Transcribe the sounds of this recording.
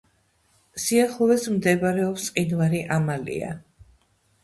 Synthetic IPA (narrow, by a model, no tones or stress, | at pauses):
siaχlˠɔvɛsmd̪ɛbaɾɛɔpsʼqʼinvaɾiʔamalḭa̰